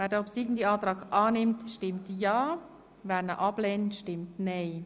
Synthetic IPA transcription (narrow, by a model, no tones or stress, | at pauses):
vɛːɾdəɔpsiɡn̩diɑːtɾɑːɡʔɑːnɪmtʃtɪmtjɑː | vɛːɾnəʔɑbleːntʃtɪmtnɛɪ